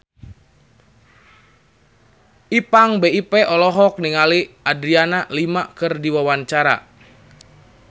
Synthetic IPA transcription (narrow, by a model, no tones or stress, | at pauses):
ʔipaŋbeipɛʔɔlɔɦɔk̚niŋaliadɾianalimakɨrdiwawaɲt͡ʃaɾa̰